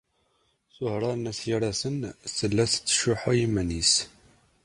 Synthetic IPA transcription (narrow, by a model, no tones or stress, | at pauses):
θʊhɾˤɑɾnæsjiɾæsənsəlːæsə̥t͡sːʃʊħajimːænis